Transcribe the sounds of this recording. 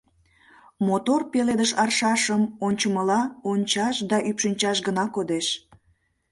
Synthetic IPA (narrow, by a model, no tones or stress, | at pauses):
mot̪orpeled̪əʃɑrʃɑʃəmonʲt͡ɕəməlɑonʲt͡ɕɑʃd̪ɑʔypʃənʲt͡ɕɑʃɡənɑkod̪eʃ